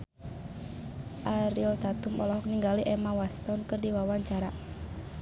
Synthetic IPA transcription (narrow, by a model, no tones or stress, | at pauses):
ʔaɾilt̪at̪umɔlɔɦɔk̚niŋɡaliʔɛmawast̪ɔnkɨrdiwawaɲt͡ʃaɾa